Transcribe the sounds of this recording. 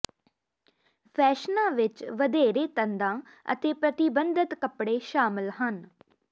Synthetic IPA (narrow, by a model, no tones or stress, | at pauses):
pʰɛːʃnãːʋɪt͡ʃʋəd̪eːɾeːt̪ənd̪ãː | ə̰t̪eːpɾət̪ɪbənd̪ət̪kəpɽeːʃaːmɪlɦən